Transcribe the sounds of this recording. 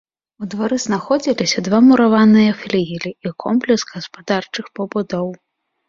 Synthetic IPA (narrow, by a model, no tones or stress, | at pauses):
ud̪vaɾɨznaxɔd͡zʲilʲisʲɐd̪vamuɾavanɨjɐxlʲijilʲiikʰɔmplʲɛsɣɐspad̪art͡ʂɨxpɐbud̪ɔw